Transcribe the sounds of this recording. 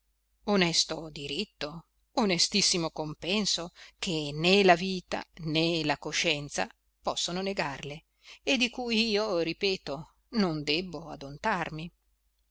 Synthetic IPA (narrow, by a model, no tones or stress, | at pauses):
onɛst̪od̪iɾit̪ːo | onest̪isːimokompɛnsok̟ʰenelaviːt̪a̰nelakoʃɛnt̪sa̰ | pɔsːononeɡarle | ed̪ːikujiːoripɛːt̪o | nond̪ɛbːoa̰d̪ont̪armi